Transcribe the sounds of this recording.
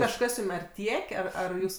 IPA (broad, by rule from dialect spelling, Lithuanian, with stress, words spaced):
kɐʃˈkɐs ˈjuːm ɐr ˈtʲiɛkʲ ˈɐr ɐr ˈjuːs